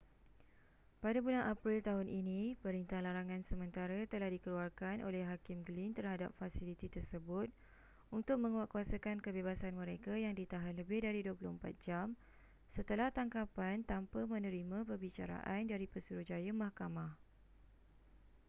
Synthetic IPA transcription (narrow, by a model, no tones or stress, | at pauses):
padabulanʔapɾilt̪aɦʊnʔinĩpəɾint̪ahlaɾaŋãnsəmə̃nt̪aɾat̪əlahdikəluarkanʔo̰lɛhɦakɪmɡlint̪ərhada̰p̚fasilit̪it̪ərsəbʊt̪̚ | unt̪ʊk̚mə̃ŋwaʔkuasakankəbeβasanmə̃ɾekajaŋdit̪aɦanləbɪhdaɾiduəpulʊmpa̰t̪̚d͡ʒam | sət̪əlaht̪aŋkapant̪ampəmə̃nə̃ɾimãpərbit͡ʃa̰ɾa̰ʔandaɾipəsuɾuhd͡ʒajamãhkamãh